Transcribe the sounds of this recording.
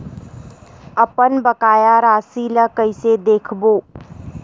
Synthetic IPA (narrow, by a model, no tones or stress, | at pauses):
ɐpənbɐkaːjaɾaːsiːləkəɪsed̪eːkʰboː